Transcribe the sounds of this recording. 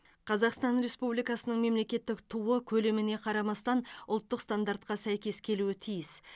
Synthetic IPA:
qʰɑzɑqst̪ɑnɾe̞spublijkɑsənəɴme̞mle̞kʲe̞t̪ːɪkt̪ʰuwəkʲʰɵle̞mɪne̞qʰɑɾɑmɑst̪ɑnʊlˠt̪ːəqst̪and̪aɾt̪̚qɑsæjkʲe̞skʲʰe̞luɪt̪ʰijɪs

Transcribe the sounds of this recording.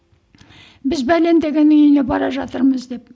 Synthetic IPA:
bɪzbælend̪e̞ɡʲe̞nːɪŋʏjne̞bɑɾɑʒɑt̪əɾməzd̪e̞p

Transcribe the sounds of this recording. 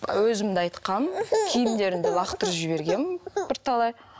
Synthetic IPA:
wɵzɪmd̪ɪɑjt̪qɑnkʲʰejɪnd̪e̞ɾɪnd̪elˠɑqt̪əɾʒɪbe̞ɾɡʲe̞mbɪɾt̪ʰɑlˠɑj

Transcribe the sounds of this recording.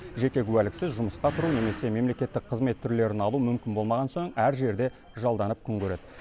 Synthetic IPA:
ʒe̞kʲe̞kʲʰʉwælɪksɪzʒʊməsqɑt̪ʰʊɾune̞me̞se̞me̞mle̞kʲe̞t̪ːɪk̚qʰəzme̞t̪ʰːʏɾle̞ɾɪnɑlˠumʏmkʲɪnbo̞lˠmɑʁɑnso̞ɴæɾʒe̞ɾd̪e̞ | ʒɑlˠd̪ɑnəp̚kʲʰʏŋkʲʰɵɾe̞d̪ɪ

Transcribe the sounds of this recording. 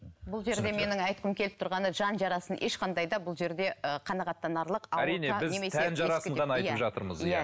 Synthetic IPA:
bʊlˠʒe̞ɾd̪e̞me̞nɪŋɑjt̪̚qəmkʲʰe̞lɪp̚t̪ʰʊɾʁɑnəʒɑnʒɑɾɑsənʔe̞ʃqʰɑnd̪ɑjd̪ɑbʊlˠʒe̞ɾd̪e̞əqʰɑnɑʁɑt̪ːɑnɑɾlˠəqɑæɾijnebɪznemestʰænʒɑɾɑsəɴʁɑnɑjtj̪əpʒɑt̪əɾməzjjæ

